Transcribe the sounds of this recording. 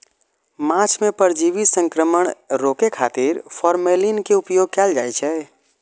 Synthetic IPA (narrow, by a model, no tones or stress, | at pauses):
mãt͡ʃʰmepəɾd͡ʒiʋisə̃ŋkɾəməɳ̃ɾokekʰa̰t̪iɾpʰɔɾmelinkeupjoːɡ̚kɛːld͡ʒa̰jt͡ʃʰɛ